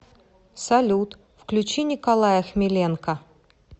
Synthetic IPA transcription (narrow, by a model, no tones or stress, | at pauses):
sɐlʲut̪ | fklʲʉt͡ɕinʲɪkɐlˠajəxmʲɪlʲenkə